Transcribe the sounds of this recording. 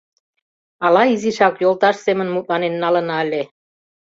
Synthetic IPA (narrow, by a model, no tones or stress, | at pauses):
ɑlɑiziʃɑkjolˠt̪ɑʃsemənmut̪̚lɑnenːɑlə̆nɑəlʲe